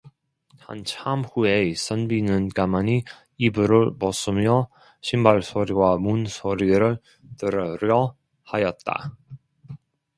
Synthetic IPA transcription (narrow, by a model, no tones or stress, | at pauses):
ha̰nt͡ɕʰamhues͈ʰʌnbinɯnkamaɲi | ibɯɾɯɭmʌs͈ɯmjʌ | ɕʰimbaɭsʰoɾiwamunsʰoɾiɾɯɭ | t͈ɯɾʌɾjʌ | hajʌt̚t͈a̰